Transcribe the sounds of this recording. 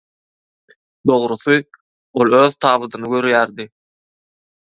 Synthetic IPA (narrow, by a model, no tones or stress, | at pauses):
d̪o̞ʁɾuθɨ | o̞lˠøːðt̪ʰɑːβɯd̪ɯnɯɡø̞ɾjæːɾd̪i